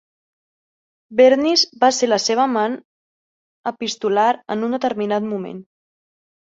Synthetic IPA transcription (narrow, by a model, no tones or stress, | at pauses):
bɛɾnizbaseləseβ̞əman | əpist̪ulaɾə̰nund̪ət̪əɾminat̪mumḛn